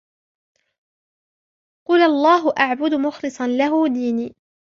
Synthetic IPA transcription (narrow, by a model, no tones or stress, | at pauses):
qʊlʔɑlˤːɑːɦʊʔaʕbʊd̪ʊmʊxlɨsˤɑnlaɦʊːd̪iːniː